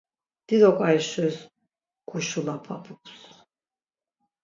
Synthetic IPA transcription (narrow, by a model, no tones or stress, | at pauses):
d̪̥id̪ɔkʼajʃɛs | kʰʼuʃulapʰapʰupʰs